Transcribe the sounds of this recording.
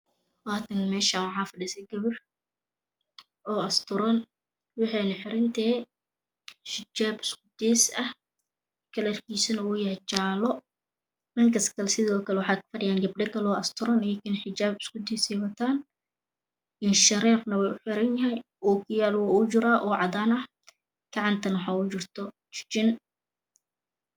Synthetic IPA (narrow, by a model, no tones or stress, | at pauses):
waːt̪ʰɐnmɛːʃaːnwʕɑːfɪdɪsɛɡɐβɐr | ʔɔːɐst̪ʰʊɾɐn | wɑħiːnɐħɪɾɪnt̪ʰɛː | ʃɪd͡ʒaːbɪskʊd̪ɛːsɐh | kʰɐlrkʰiːsɐnɐwuːjɐhɛt͡ʃaːlɔ | nɐŋkʰɐskʰɐlɛsɪðɔːkʰɐlɛwɑħɑːkfɐɖɪjaːŋɡɐbɖɐkʰɐlɔːʔɐst̪ʰʊɾɐnɛkʰɪnħɪt͡ʃaːbɪskʊd̪iːsɛjwɐt̪ʰaːn | ʔɪnʃɐɾɛːfnɐwɛjʊħɪɾɐnjɐɦɛj | ɔːkʰɪjaːlwaʊt͡ʃɪɾaːʔɔːʕɑd̪aːnɐh | ɡ̥ɑʕɑnt̪ʰɐnwħɑːʊt͡ʃɪrt̪ʰɔ | t͡ʃɪ̥t͡ʃɪn